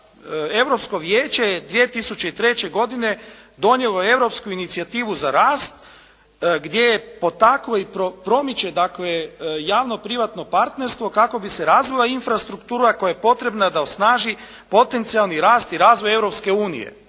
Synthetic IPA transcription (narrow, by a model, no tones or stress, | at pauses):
e̞ʋɾo̞psko̞ʋjeːt͡ʃe̞jed̪ʋie̞t̪isut͡ʃe̞it̪ɾe̞t͡ɕe̞ɡo̞d̪ine̞ | d̪o̞njelˠo̞e̞ʋɾo̞pskuinit̪siat̪iːʋuzaɾaːst̪ | ɡd̪je̞jepo̞t̪akloipɾopɾo̞mit͡ɕe̞d̪aklejaːʋno̞pɾiʋat̪no̞paɾt̪ne̞ɾst̪ʋo̞kako̞bise̞ɾaːzʋojainfɾast̪ɾukt̪uːɾako̞jajepo̞t̪ɾe̞bnad̪ao̞snaːʒi | po̞t̪e̞nt̪sialˠniɾaːst̪iɾaːzʋo̞je̞ʋɾopske̞uːnḭje̞̰